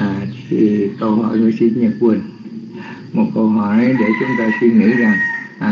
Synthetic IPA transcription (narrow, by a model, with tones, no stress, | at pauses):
ʔaː˨˩t̪ʰi˨˩kə˧˩whɔ̰˧˩˨jmɨ˨˧˩si˧nɲə˨˩p̚kwi˨˧˩n | mo˨˩t̚kə˧wɦɔ˧˨˩jʔə˨˦jɗe˧˩t͡ɕʊ˨˦ŋ͡mt̪aː˧si˧ŋḭ˧˥za˨˩ŋʔaː˨˩